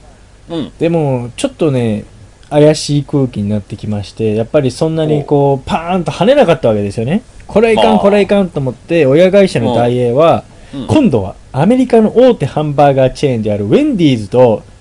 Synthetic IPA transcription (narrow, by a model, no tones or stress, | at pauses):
d̪̥e̞mo̞t͡ɕo̞t̪ːo̞ne̞ | ajaɕiːkɯ̟ːkʲiɲ̟inat̪ːe̞kʲimaɕi̥t̪e̞japːaɾʲisõ̞nːaɲ̟iko̞ːpãnt̪o̞hane̞nakat̪ːaβake̞d̪e̞sɨjo̞ne̞kʰo̞ɾekãŋko̞ɾeikãnt̪oːmo̞t̪ːe̞o̞jaɡaiɕano̞d̪aie̞βa | kʰõ̞nd̪o̞βa̰ːme̞ɾʲikano̞ʔoːt̪e̞hãmbaiɡat͡ɕẽ̞ːnd̪e̞aɾɯ̟βẽnd̪ʲiːzɨt̪o̞